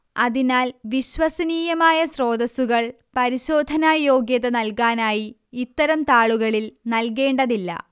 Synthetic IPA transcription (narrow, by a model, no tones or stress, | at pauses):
ɐ̰ðinaːlʋiɕʋɐsɐniːjɐmaːjɐɕro̞ːd̪ɐsuɣɐɭ | pɐɾiɕo̞ːd̪ʱɐnaːjo̞ːɡjɐðɐnɐlkaːnaːji | it̪ːɐɾɐmt̪aːɭuɣɐɭilnɐlke̞ːɳɖɐðilːɐ̰